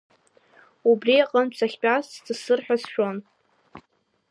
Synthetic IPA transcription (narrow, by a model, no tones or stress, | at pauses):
ubriaqʼəmt͡sʰaχʲpʼast͡st͡sɨsɨrħᶣasʃᶣon